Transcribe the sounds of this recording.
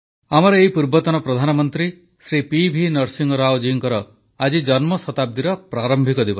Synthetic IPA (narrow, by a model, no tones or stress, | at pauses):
amɔɾɔeɦipuɾbɔt̪ɔnɔpɾɔd̪ʱanɔmɔnt̪ɾi | sɾipibʱinɔɾsiŋɔɾawd͡ʒiŋkɔɾɔ | ad͡ʒid͡ʒɔnmɔsɔt̪ab̚d̪iɾɔpɾaɾɔmbʱikɔd̪ibɔ